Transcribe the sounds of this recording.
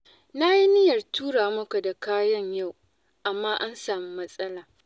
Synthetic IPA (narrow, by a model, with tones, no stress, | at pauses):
na˦ji˦nɪ˦jɐ˨rtuː˦ɽaː˨mʊ˦ka˨da˨kaː˦jɐ˦ɲja˦˨w | ʔa˨mːaː˦ʔa˦nsaː˨mi˦mɐ˦sʼɐ˦laː˨